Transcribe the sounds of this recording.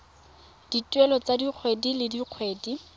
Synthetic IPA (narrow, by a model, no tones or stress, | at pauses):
d̥itʼwɛlɔt͡sadiq͡χʰwedilɪdiq͡χʰweːdi